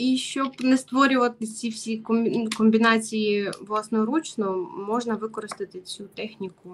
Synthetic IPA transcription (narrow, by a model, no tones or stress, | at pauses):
iʃt͡ʃɔbnɛst̪ʋɔɾʲʊʋɐt̪ɪt͡sʲiwsʲikɔmʲkɔmʲbʲinɑt͡sʲijiʋlˠɑsnɔjɔɾut͡ʃnɔmɔʒnɐʋɪkɔɾɪst̪ɪt̪ɪt͡sʲut̪ɛxnʲikʊ